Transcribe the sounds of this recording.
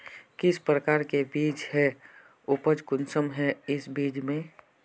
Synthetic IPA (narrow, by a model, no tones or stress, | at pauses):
kɪspɾəkaːɾkebiːd͡ʒhɛ | ʊpəd͡ʒkʊnsəmɦɛɪsbiːd͡ʒmẽ